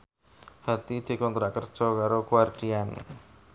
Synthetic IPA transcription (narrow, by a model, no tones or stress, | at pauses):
hat̪id̪̥e̤kɔnt̪ɾaʔkərd̥ʒ̥ɔkaɾokuward̥ian